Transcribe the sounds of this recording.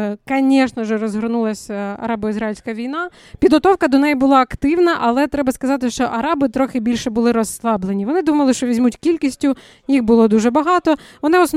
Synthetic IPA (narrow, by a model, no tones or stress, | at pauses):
kɐnʲɛʃnɐʒɛɾɔzɦɔɾnulˠɐsʲɐ̰ɾɑbɔizɾɑilʲsʲkɐʋʲijn̪ɑ | pʲid̪ɦɔt̪ɔwkɐd̪ɔnɛjibʊlˠɑɐkt̪ɪwnɐʔɐlˠɛt̪ɾɛbɐskɐzɑt̪ɪʃt͡ʃɔʔɐɾɑbɪt̪ɾɔxɪbʲilʲʃɛbʊlˠɪɾɔsːlˠɑblˠenʲiʋɔnɪd̪umɐlˠɪʃt͡ʃɔʋʲizʲmutʲkʲilʲkʲisʲtʲʊ | jixbʊlˠɔd̪uʒɛbɐɦɑt̪ɔʋɔnɪɔsn